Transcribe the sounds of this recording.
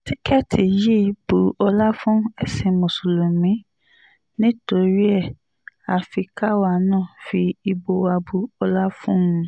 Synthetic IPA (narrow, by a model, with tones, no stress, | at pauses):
ti˦kɛ˦tʰi˨ji˦˧b̥u˧ɔ˧la˦fũ˦ɛ˨se˧mõ˨so˨lo˨mĩ˨˦ | nĩ˦to˧ɾi˦ɛ˦˨ | a˨fi˧ka˦wa˧nãː˦˨fi˧i˧bo˧wa˧bu˧ɔ˧la˦fũ˦ũ˧